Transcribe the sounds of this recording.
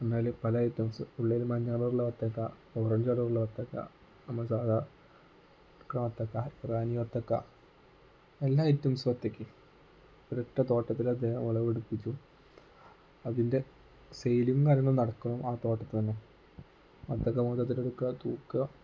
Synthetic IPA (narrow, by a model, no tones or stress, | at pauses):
penːaːlpɐlɐetːɐmsɨuɭːejlmɐɲːaːɐɭɐɾuɭːɐʋɐt̪ːɐkːa | orɐɲd͡ʑaːɭɐɾuɭːɐʋɐt̪ːɐkːa̰ | ɐmːɐsaːd̪a | kɽɐmɐt̪ːɐkːaraːnijʋɐt̪ːɐkːa̰ | elːaːitːɐmsɨʋɐt̪ːɐkʲːɨ | oɾeʈːɐt̪o̞ːʈːɐt̪ːilɐd̪ːeːhɐmɐɭɐʋeɽupːit͡ɕʲːu | ɐðinde̞ | sejlimkaːɾɐŋːɐɭnɐɽɐkːɐɳɐmaːt̪o̞ːʈːɐt̪ːɨt̪ɐnːe | ʋɐt̪ːɐkːɐmoːt̪ːɐt̪ːileɽukːat̪uːkːɨ